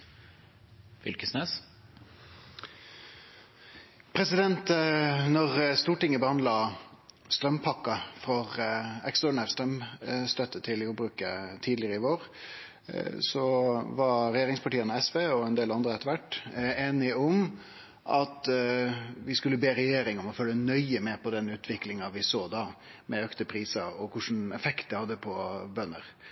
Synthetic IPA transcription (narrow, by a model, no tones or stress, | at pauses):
fɪ̰lkəsneːs | pʰɾɛsɪd̪ɛnt̪nɔʁst̪uːʈɪŋːəbəhɑnd̪lɑ | st̪ɾœmpʰɑkːɑfʁɔʁɛksɔɳæʁst̪ɾœmst̪œt̪ːət̪ʰɪljuːbɾʉːkət̪ʰiːd̪lɪəʁəɪʋoːɾ | sɔʋɑɾɛjeːɾɪŋspʰɑʈiːənəɛsʋeːɔɛnd̪eːlɑnd̪ɾəɛt̪ːəʋæʈːeːnɪɔm | ʔɑt̪ | ʋɪskʉlːəbeːɾɛjeːɾɪŋɔmɔfœlːənœʏəmɛpʰɔd̪ɛnʉːt̪ʰʋɪklɪŋɑʋɪsoːd̪ɑː | mɛøːkt̪əpʰɾiːsɑɔkʰʊʂn̩ɛfɛkt̪̚əhɑd̪ːəpʰɔbœnːə̰ɾ